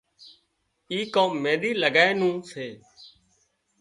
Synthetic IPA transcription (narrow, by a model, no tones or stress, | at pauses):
iːkoːmːeːɗiːləɡaːeːnũːseː